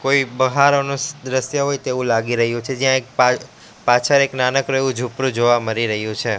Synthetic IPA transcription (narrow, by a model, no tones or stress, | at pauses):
koibəɦaɾonũsd̪ɾəsjəɦojt̪eʋũlaɡiɾəɦjũt͡ʃʰed͡ʒjãek̚pa | pat͡ʃʰəɾeknanəkɾoeʋũd͡ʒʱupɾũd͡ʒoʋaməɾiɾəɦjũt͡ʃʰe